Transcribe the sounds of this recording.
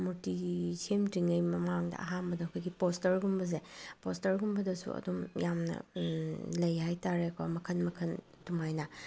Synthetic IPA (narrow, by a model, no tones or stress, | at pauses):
muɾtiɡsʰemtiŋɐjmɐmaŋdɐ̰ɐ̰ɦambɐdɐkʰojɡipostɐɾɡumbɐz̬epostɐɾɡumbɐdɐsṵɐ̰dumjamnɐ̰ | lɐjɦajtaɾekʰomɐkʰɐnmɐkʰɐn | tumajnɐ